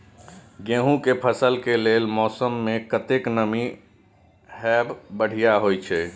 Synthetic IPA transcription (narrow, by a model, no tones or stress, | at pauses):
ɡẽːɦũkepʰəsəlkelelmɔːsəmːekət̪eknəmi | hɛbbəɽ̤ijaɦojt͡ʃʰɛ